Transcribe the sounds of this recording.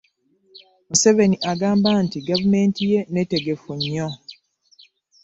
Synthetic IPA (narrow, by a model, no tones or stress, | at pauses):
muse̞ve̞niʔaɡaːmbantiɡavume̞ntije̞ne̞te̞ɡe̞fuɲːo